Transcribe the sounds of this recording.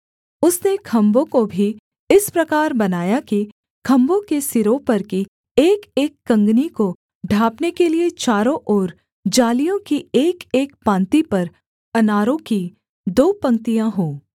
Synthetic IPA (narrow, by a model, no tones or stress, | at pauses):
ʊsnekʰɐ̃mbõkobʱi | ɪspɾɐkaːɾbɐnaːjaki | kʰɐ̃mbõkesɪɾopɐɾki | eːkeːkːɐ̃ŋɡniko | ɖʱaːpnekeliet͡ʃaːɾõʔɔːɾ | d͡ʒaːlijõkieːkeːkpãːnt̪ipɐɾ | ɐnaːɾõki | d̪oːpɐ̃ŋt̪ijãɦoː